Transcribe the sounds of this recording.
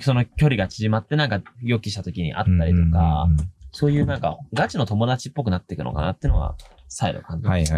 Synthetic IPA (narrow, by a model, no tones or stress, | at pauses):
so̞no̞kʲo̞ɾʲiɡat͡ɕiʑimat̪ːe̞nãŋkajo̞kʲiɕi̥t̪at̪o̞kʲiɲ̟ḭʔa̰t̪ːaɾʲit̪o̞kaso̞ːjɯ̟ːnãŋkaɡat͡ɕino̞t̪o̞mo̞d̪at͡ɕipːo̞k̬ɯ̟nat̪ːe̞kɯ̟no̞̰ka̰nat̪ːeiɯ̟no̞βa̰ | saiɾo̰kãɲ̟d͡ʑi